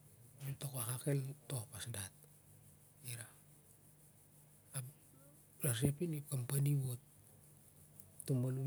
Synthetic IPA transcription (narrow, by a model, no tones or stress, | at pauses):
tokoakakeltohpasdat̚ | iɾa | ɾas̬apinip̚kampaniβot̚ | tːumbanu